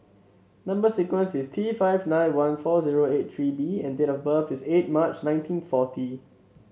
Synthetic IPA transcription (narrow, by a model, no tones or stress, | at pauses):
nãmbəsikwə̃nsistʰifaɪvnãɪ̃nwãnfɔziɹoet̚tʰɹibiɛ̃ndetɔfbəfiset̚mat͡ʃnãɪ̃ntʰĩnfɔtʰi